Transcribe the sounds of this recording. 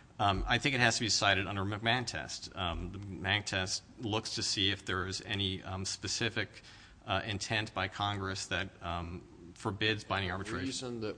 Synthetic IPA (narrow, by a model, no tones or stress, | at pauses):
a̰ɪθɪ̃ŋkɨt̚hɨz̥tʰɨbisaɪɾɨɾʌ̃ndə˞məɡ̚mæ̃ntʰɛ̰stðəmæ̃ntʰɛstlʊkstʰɨsiɨfðə˞zɛ̰nispɨsɪfɨk | ɪ̃ntʰɛ̃ntb̥aɪkʰɑ̃ŋɡɹɨsðɨt̚ | fə˞bɪdzbãɪ̃ndɪ̃ŋɑɹbɨtʰɹ̥eɪ̃nð